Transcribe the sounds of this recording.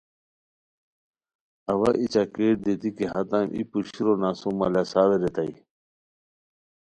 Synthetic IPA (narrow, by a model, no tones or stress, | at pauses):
ɐwɐʔit͡ɕakeːʈ̚d̪et̪ikiɦɐt̪amʔḭpuɕiɾonaːsomɐlɐsaːweɾet̪ai